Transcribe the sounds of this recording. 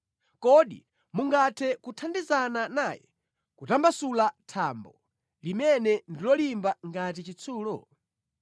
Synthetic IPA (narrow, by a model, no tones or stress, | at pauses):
kɔɗḭ | muŋɡatʰɛkutʰandizananaːjɛ̰ | kutambasulatʰaːmbɔ | limɛnɛndilɔlimbaŋɡat̬it͡ʃit͡sʰuːlɔ̰